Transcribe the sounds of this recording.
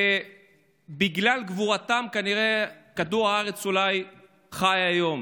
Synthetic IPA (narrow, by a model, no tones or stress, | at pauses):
e | biɡlalɡvuʁat̪amkaniʁe̞kad̪uʁaaʁe̞t͡sulaj | χajajo̞m